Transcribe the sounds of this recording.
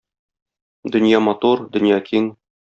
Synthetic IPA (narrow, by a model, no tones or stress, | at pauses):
d̪ɵ̆njɑmɒt̪uɾd̪ɵ̆njɑkʰiŋ